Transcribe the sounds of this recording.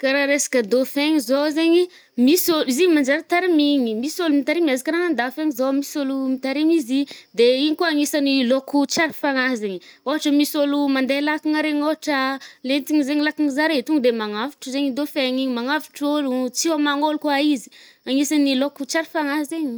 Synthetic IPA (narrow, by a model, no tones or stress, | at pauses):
kaɾaɾesḁkəd̪ofeŋizozeɲi | misoliziɲmand͡ʒaɾat̪aɾimiɲimisolumit̪aɾimiazikaɾaŋand̪afeŋizomisolumit̪aɾimizid̪eiɲikoaŋisanilokut͡ʃaɾfaŋazeɲioaʈ͡ʂəmisolumand̪elakiŋaɾeŋoɦaʈ͡ʂəlent̪iŋizeŋilakiŋzaɾet̪uŋd̪emaŋafi̥ʈ͡ʂəzeɲid̪ofeŋiɲimaŋafi̥ʈ͡ʂolut͡siwamaŋolukaizi̥ | aŋisanilokut͡ʃaɾifaŋazeɲi